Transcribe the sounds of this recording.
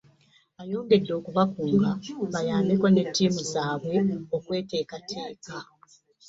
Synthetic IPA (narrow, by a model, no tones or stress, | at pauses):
ajo̞ːŋɡe̞dːo̞ːkuβakuːŋɡaβajaːmekone̞tːiːmuzaːβwe̞o̞kwe̞ːte̞ːkatʰe̞ːka